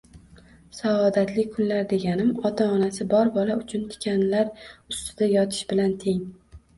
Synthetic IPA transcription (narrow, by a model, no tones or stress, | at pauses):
saɒd̪at̪lɪk̚ʲkʰʊnlaɾd̪e̞ɡʲanɪmɒt̪ʰaɒnasɪbɒɾbɒlaʊt͡ʃʰʊnt̪ʰɪ̥kʲʰanlaɾʊst̪ɪd̪ajɒt̪ʰɪ̥ʃbɪlant̪ʰe̞ŋ